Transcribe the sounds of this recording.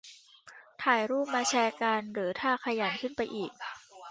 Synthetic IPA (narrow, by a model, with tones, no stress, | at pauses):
t̪ʰaː˨˩jɾuː˥˩p̚maː˧t͡ɕʰɛː˧kaː˧nɾɯː˩˦t̪ʰaː˥˩kʰa˧ja˨˩˦nkʰɯ˥˩npa˧jʔiː˨˩k̚